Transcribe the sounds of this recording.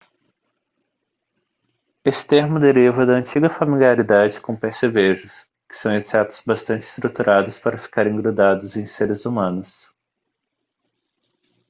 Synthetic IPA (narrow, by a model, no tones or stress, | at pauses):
esɪ̥t̪eɾmʊd̪eɾivɐd̪ɐɐ̃nt͡ʃiɡɐfamiliaɾid̪ad͡ʒɪkõpeɾseveʒʊs | kɪ̥sɐ̃w̃esɛt̪ʊ̥z̥bast̪ɐ̃nt͡ʃɪɪ̥st̪ɾut̪uɾʔad̪ʊspaɾɐfi̥kaɾẽɡɾod̪ad̪ʊzẽj̃seɾɪzumɐ̃nʊs